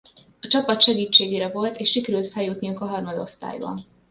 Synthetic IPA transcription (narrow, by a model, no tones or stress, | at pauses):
ɒt͡ʃɒpɒt̪ʃɛɡiːt͡ʃːeːɡeːɾɛvo̞lt̪eːʃʃikɛɾylt̪fɛljuːt̪nijuŋkɒɦɒrmɒd̪o̞st̪a̰ːjbɒ̰n